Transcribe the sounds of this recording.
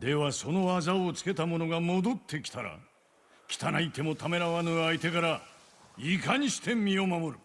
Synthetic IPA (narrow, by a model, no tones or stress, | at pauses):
d̪e̞βaso̞no̞azaot͡sɨ̥ke̞t̪amo̞no̞ɡamo̞d̪o̞t̪ʰːe̞kʲi̥t̪aɾa̰ | kʲi̥t̪ʰanait̪e̞mo̞t̪ʰame̞ɾaβanɯait̪e̞kaɾa | ikaɲ̟iɕi̥t̪ʰẽ̞mːʲio̞mamo̞ɾɯ̟